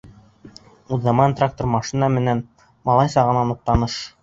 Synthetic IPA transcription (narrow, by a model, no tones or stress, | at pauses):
uðːɑmɑnt̪rak̚t̪ormɑʃinɑmɘ̆næn | mɑlˠɑjsɑʁɤ̆nɑnuq̚t̪ɑnɤʃ